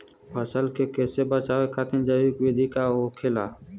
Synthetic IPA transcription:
pəsəlkeːkeːsebət͡ʃaːʋeːkʰat̪ə̃nd͡ʒəikʋeːd̪ʱikaːoːkʰeːlaː

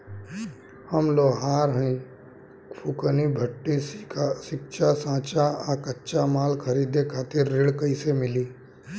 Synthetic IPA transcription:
həmloːɦaːɾɦə̃ĩ | pʰukənibʱəʈːisɪkʃasãːt͡ʃaakətːʃamaːlkʰəɾiːd̪ekʰaːt̪ɪɾːɪɽkəɪsemɪliː

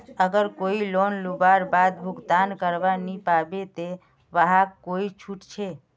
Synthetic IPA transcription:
əɡəɾkoilonlubaɾbad̪̚bʱuɡd̪ankəɾbanipabet̪e | ʋaɦakkoit͡ʃʰuʈt͡ʃʰe

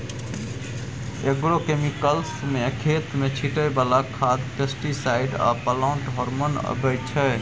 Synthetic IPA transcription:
eɡɾokemikəlsmekʰet̪met͡ʃʰiʈəbalakʰad̪pesʈisaiɖa̰pəlaʊɳʈɦɔɾmonə̰bəjt͡ʃʰɛ

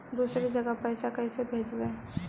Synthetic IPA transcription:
d̪uːsɾed͡ʒɐɡapɛːsakɛːsebʱeːd͡ʒbẽː

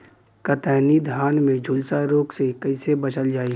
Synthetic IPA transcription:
kət̪ɛːnid̪ʱjaːnmẽd͡ʒʱʊlsaɾoːksekɐɪsebɐt͡ʃəld͡ʒaːi

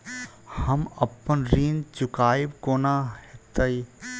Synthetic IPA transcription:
hɐməpːənɾiːnt͡ʃʊkaːibkoːnahet̪əj

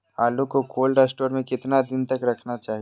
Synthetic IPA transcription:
aːlũkokʰoːlɖaːsʈoːɾmẽkɪt̪nad̪ɪnt̪ɐkɾɐkʰnat͡ʃaːɦi

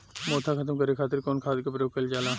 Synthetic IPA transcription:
moːt̪ʰaːkʰət̪əmkəɾekʰaːt̪ɪɾkoːnkʰaːd̪kepɾjoːɡ̚kəld͡ʒaːlaː

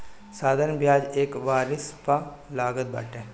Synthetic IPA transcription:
saːd̪ʱəɾənbjaːd͡ʒeːkʋaːɾɪspa | laːɡət̪̚ba̰ːʈẽː

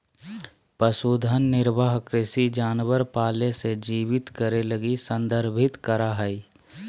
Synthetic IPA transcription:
pəsuːd̪ʱənːɪɾbʱaːɦkɾɪsid͡ʒaːnʋəɾpaːlesed͡ʒiːʋɪt̪kəɾeləɡisə̃nd̪əɾbʱɪt̪kəɾaɦəi

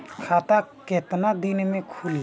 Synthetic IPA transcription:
kʰaːt̪aket̪nad̪inmẽkʰuli

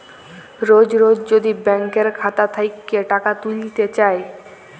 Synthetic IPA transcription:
ɾod͡ʑɾod͡ʑd͡ʑod̪ibɛŋkeɾkʰat̪at̪ʰajkːeʈakat̪ulit̪et͡ɕae

